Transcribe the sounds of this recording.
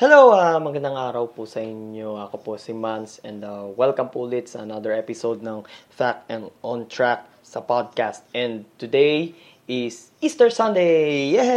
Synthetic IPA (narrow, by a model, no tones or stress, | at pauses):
hɛlowamɐɡɐnd̪ɐŋaːɾɐwposɐʔɪɲjoɐkoposɪmɐnsɛ̃nd̪ɐwɛlkɐmpulɪt̪sɐɐnad̪əɹɛpɪsod̪̚nɐŋfak̚ɛ̃nd̪ɔ̃nt̪ɹak̚ | sɐpad̪̚kast̪̚ɛ̃nd̪t̪ʊd̪ej | ɪs | ist̪ɛɹsɐ̃nd̪eɛɦɛ